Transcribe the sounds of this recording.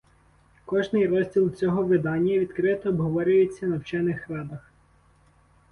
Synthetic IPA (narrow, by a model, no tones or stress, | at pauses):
kɔʒnɪjrɔzʲdʲilˠt͡sʲɔɦɔʋɪd̪ɑnʲːɐʋʲid̪kɾɪt̪ɔːbɦɔʋɔɾʲʊjet͡sʲːɐnɐwt͡ʃɛnɪxɾɑd̪ɐx